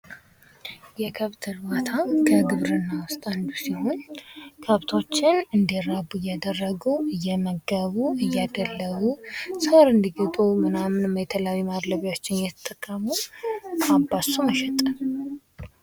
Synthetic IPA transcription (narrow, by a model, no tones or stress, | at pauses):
jɛkʰəβt̪ʰɨɾwat̪ʰakʰəɡɨβɾɨnːawʊst̪ʼand̪usiho̞nkʰəβt̪ʰo̞t͡ʃːɪnɨnd̪iɾabujad̪ərːəɡuɨjːɛməɡəβuɨjːad̪əlːəβusəwaɾɨnd̪iɡət̪ʼumɨnamɨnɨməjt̪ʰəlawimad̪ləβjot͡ʃːɪnjɛt̪ʰə̥t̪ʼːəkʼːəmu | abːasuməʃɛt̪ʼən